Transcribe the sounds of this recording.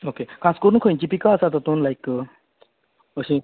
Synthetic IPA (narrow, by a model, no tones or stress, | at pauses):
okekʰãskoɾunkʰojnt͡ɕipikaːsat̪at̪onlajkə | əɕĩ